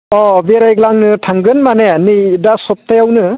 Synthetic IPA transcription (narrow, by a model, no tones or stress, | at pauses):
ɔbeɾajɡlaŋnɯtʰaŋɡɯnmanenɯdasɔp̚tʰajawnɯ